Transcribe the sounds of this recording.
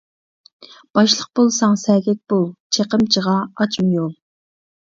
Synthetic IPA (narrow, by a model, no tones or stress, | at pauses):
b̥ɑʃlˠəq̚bolˠsɑŋsɛɡʲɛk̚ʲb̥olˠt͡ʃʰeqəmt͡ʃʰəʁɑɑt͡ʃmɨjolˠ